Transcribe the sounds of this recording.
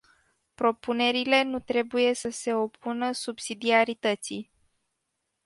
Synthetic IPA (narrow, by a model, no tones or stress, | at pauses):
pɾo̞pune̞ɾile̞nut̪ɾe̞buje̞səse̞o̞pʰunəsubsid̪iaɾit̪ət̪si